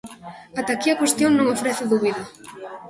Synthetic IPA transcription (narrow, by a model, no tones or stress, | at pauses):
at̪akiakwest̪joŋnõŋofɾɛθʊðuβiða